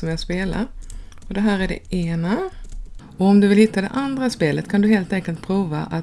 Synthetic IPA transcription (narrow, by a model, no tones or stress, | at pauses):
ɔmjɑspeːla̰ɾɔd̪ɛɦæːɾæɖɛ̰ʔeːna | ɔɔmd̪ɵvɪlhɪt̪ʰːad̪ɛ̰ʔand̪ɾaspeːlət̪kʰand̪ɵɦeːlt̪ɛŋkəlt̪̚pʰɾuːva̰ʔa